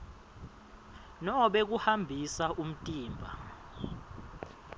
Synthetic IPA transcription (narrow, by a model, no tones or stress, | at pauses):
nɔɓek̬uhambʱisaʔum̩tʼiːmbʱa̰